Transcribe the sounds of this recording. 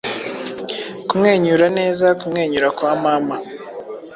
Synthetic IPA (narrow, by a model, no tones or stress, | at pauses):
kumŋe̞ːɲuːɾane̞ːzakumŋe̞ːɲuːɾakwaːmaːma